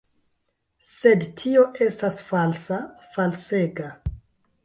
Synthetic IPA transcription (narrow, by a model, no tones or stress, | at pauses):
se̞dtʰio̞ʔe̞stasfalsafalseɡa